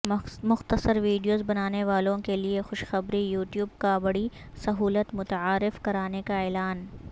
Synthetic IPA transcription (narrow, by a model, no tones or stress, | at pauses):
mʊxt̪əsəɾʋiːɖijoːzbɐnaːneʋaːlõkeliexʊʃxɐbɾijuːʈjuːb̚kabɐɽi | sɐɦuːlət̪mʊt̪əaːɾɪfkɐɾaːnekaɛːlaːn